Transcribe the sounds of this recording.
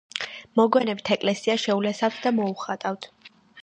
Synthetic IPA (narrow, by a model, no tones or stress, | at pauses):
mɔɡwɛnɛbit̪ʰɛkʼlɛsiaʃɛulɛsaft̪ʰd̪amɔuχat̪ʼaft̪ʰ